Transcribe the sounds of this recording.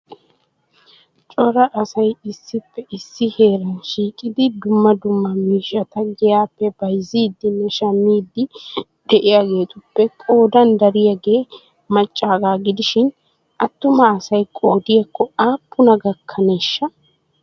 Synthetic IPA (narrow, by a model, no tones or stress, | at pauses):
t͡ʃʼɔɾɐʔsɐjɪsːɪpːɛʔɪsːɪhe̞ːɾɐnʃiːkʼɪd̪ɪd̪ʊmːɐd̪ʊmːɐmiːʃɐt̪ɐɡɛjaːpːɛbɐjziːd̪ɪnɛʃɐmːiːd̪ɪ | d̪̥ɛʔɪjaːɡe̞ːt̪ʊpːɛkʼo̞ːd̪ɐnd̪ɐɾɪjaɡe̞ː | mɐt͡ʃʼːaːɡaːɡɪd̪ɪʃɪn | ʔɐt̪ːʊmɐːsɐjkʼo̞ːd̪ɪjɐkʰːɔaːpːʊnɐɡɐkʰːɐneːʃːɐ